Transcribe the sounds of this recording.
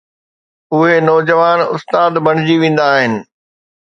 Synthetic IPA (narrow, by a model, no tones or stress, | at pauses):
ʊɦenɔːd͡ʑəʋaːnʊst̪aːd̪bɐɽ̤̃ɪd͡ʑiʋẽːn̆d̪aːɦɪnɪ̆